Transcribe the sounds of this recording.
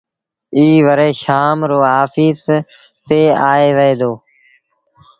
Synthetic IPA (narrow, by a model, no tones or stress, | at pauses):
iːʋəɾeːʃaːmɾoːɦaːfiːz | t̪eːaːeːʋəeːd̪oː